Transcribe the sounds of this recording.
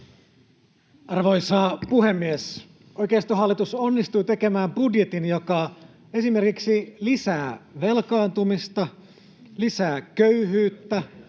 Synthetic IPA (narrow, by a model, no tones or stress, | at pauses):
ɑrʋojsɑːpuɦemːies | ojkeːst̪oɦɑlːit̪uso̞nːist̪uːt̪e̞ke̞mæːmbudjet̪injokɑ | e̞sime̞rkiksilisæːʋelkɑːnt̪umist̪ɑ | lisæːkøyɦyːt̪ːæ